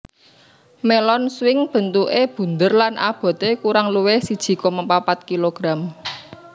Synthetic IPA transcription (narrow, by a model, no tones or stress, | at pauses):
melɔnswɪŋb̥ə̤nt̪uʔeb̥ṳnd̪ərlana̰b̥ɔ̤t̪ekuɾaŋluwehsid̥ʒ̥i̤kɔməpapat̪̚kiloɡ̥ɾam